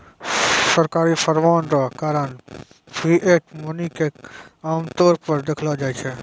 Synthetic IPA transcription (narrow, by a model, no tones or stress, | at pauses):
səɾkaːɾisəɾʋaːnɾakaːɾən | pʰɾiːʔeːʈmʊnikeaːmt̪ɔːɾpəɾd̪ekʰlad͡ʒaːit͡ʃʰe